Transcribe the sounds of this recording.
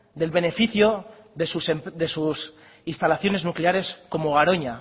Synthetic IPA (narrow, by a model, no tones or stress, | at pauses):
d̪e̞lβe̞ne̞fiθjoðesuseðe̞sus | inst̪alaθjo̞ne̞znukleaɾe̞sko̞mo̞ɣ̞aɾo̞ɲa